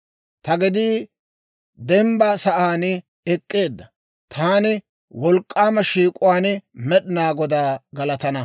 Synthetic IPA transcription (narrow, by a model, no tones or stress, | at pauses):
t̪ɐɡɪd̪iː | d̪ɛmbasɐʔaːn | ɛkʼːe̞ːd̪ːɐ | t̪ʰaːnɪ | wɔlkʼːaːmɐʃiːkʼʊwaːnmɛɗɪnaːɡɔd̪aːɡɐlɐt̪ɐnɐ